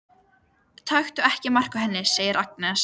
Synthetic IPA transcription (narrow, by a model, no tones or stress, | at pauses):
t̪ʰajxt̪ʏɛhcɪmar̥kaɦɛnːɪseːjɪɾʔaknɛs